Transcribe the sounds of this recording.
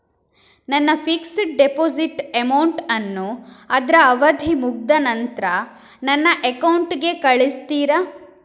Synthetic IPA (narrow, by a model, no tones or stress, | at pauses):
nɐnːɐpʰiksɖepoːsiʈemɐwɳʈɐnːuɐd̪ɾɐːʋɐd̪ʱimuɡ̚d̪ɐnɐnt̪ɾɐ | nɐnːɐʔekɐwɳʈɡe̞kɐɭist̪iːɾɐ